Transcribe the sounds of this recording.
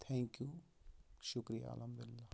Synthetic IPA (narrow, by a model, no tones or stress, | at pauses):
t̪ʰɛ̃ːŋkju | ʃʊkɾija̰ə̰ləmd̪ʊlːaː